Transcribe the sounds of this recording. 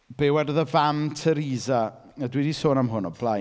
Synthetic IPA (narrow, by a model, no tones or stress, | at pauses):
b̥ɛwɛdəðəvamtʰəɾiːza | ədwidisoːnamɦʊnɔblˠa